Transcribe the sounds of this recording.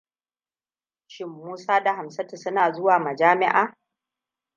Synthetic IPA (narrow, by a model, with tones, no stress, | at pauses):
ʃɪ˦mːuː˦saː˦da˨ɦa˨msɐ˦ti˨sʊ˦naː˨zʊ˦waː˨mɐ˨d͡ʒaː˦mɪ˦ʔaː˨